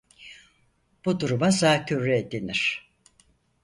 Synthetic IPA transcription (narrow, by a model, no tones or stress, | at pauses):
b̥ud̪uɾumazaːcʰyɾːɛed̪eniɾ̥